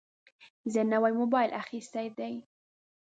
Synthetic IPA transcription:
zɛnːawajmobɑjlʔaxist̪ajd̪aj

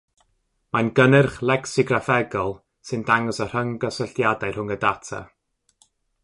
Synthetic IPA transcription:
manɡənɛrχlˠɛksɪɡrafɛɡɔlˠ | sɨndaŋɔsər̥əŋɡəsəɬjadajrhʊŋədatʰa̰

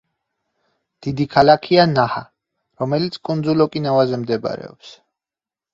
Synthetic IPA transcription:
d̪̥id̪ikʰalakʰianaha | ɾɔmɛlit̪sʰkʼund̪zulɔkʼinavazɛmd̪ɛb̰ɾɛ̰ɔ̰ps

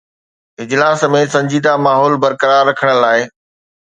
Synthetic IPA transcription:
ɪd͡ʑlaːsmẽːsɐ̃ɲd͡ʑiːd̪amaːɦɔːlbɐɾkəɾaːɾːɐkʰəɽ̃əlaːɪ

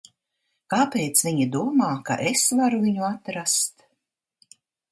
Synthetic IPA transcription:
kaːpeːt̪sviɲid̪uɔmaːka̰ʔesvaɾuviɲuat̪ɾast̪

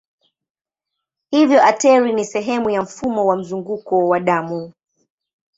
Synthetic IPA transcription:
hivjɔʔatɛɾinisɛɦɛmujam̩fumɔwam̩zuŋɡukɔwaɗamu

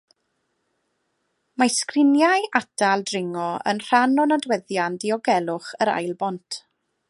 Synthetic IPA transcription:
maskrɪnjajʔatʰalˠdrɪŋɔə̰nr̥anɔnadwɛðjandiɔɡɛlˠʊχəɾa̰jlˠbɔntʰ

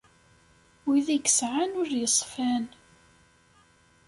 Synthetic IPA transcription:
wiðæɡəsʕanʊɾjəsˤfæn

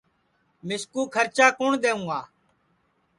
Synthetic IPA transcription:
mɪskuːkʰəɾt͡ʃaːkoːɳd̪eːũːaː

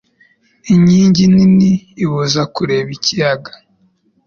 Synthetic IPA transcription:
iɲiːɲɟininiːβuzakuɾe̞βicijaɡḁ

